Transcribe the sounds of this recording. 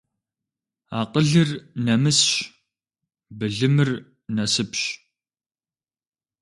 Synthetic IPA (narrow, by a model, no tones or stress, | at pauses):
a̰ːqəɮɨrnɐmɨsɕ | bɨɮɨmɨr | nɐsɨpɕ